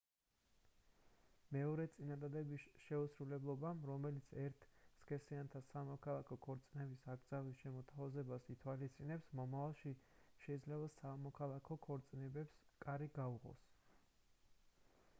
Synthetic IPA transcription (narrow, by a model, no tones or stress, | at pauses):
mɛɔɾɛt̪sʼinad̪ad̪ɛbisʃɛusɾulɛblˠɔbamɾɔmɛlit̪sʰɛɾt̪ʰskʼɛsiant̪ʰasamɔkʰalˠakʰɔkʰɔɾt̪sʼinɛbisaɡd̪zavisʃɛmɔt̪ʰavazɛbasit̪ʰwalist̪sʼinɛpsmɔmavalˠʃiʃɛid̪zlɛbasamɔkʰalˠakʰɔkʰɔɾt̪sʼinɛbɛpskʼaɾiɡauʁɔ̰s